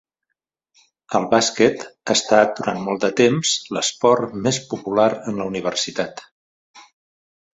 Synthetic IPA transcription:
əlˠβaskɛt̪aːst̪at̪̚d̪uɾanmɔlˠd̪ət̪emz̥ləspɔɾmespupulaɾənləuniβ̞ərsit̪at̪

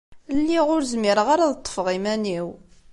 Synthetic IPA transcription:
lːiʁʊɾzmiɾəʁaɾaðət̪ˤːə̥fʁimæniw

